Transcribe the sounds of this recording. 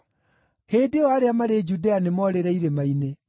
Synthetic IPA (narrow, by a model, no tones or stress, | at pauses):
heːdewaɾeamaɾed͡ʒudeanemɔɾeɾɛiɾemaine